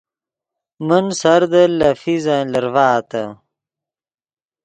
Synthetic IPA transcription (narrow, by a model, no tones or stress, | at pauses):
mənsɐɾd̪əlɐfizaːlɐɾvaːt̪ɐ